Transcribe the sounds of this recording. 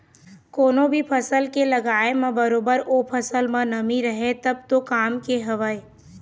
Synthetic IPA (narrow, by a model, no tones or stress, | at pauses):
koːnõbʱipʰɐsəlkelɐɡaːemãbɐɾoːbəɾopʰɐsəlmãnɐmiɾəɦet̪ɐb̚t̪okaːmkeɦɐʋəe